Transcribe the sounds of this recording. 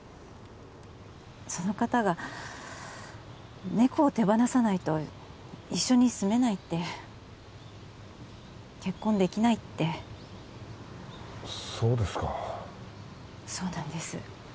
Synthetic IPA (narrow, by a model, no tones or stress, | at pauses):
so̞no̞kat̪aɡa | ne̞ko̞ːt̪e̞banasanait̪o̞ | iɕːo̞ɲ̟isɨme̞nait̪ːe̞ | ke̞kːõ̞nd̪e̞kʲinait̪ːe̞ | so̞ːd̪e̞sɨ̥ka | so̞ːnãnd̪e̞sɨ̰